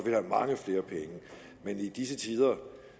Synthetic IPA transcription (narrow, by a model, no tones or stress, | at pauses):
ʋihæmɑ̈ŋəfle̝ːɐpʰeŋə | menid̥isət͡sʰiːð̞ˠɐ